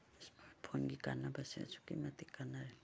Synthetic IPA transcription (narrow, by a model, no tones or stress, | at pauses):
spʰoŋɡikanabasia̰t͡ʃʰu̥kḭmat̪ikanaɾe